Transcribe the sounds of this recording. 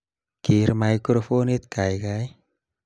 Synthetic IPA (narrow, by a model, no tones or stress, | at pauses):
kiɾmajkɾofonit̪̚kajkaj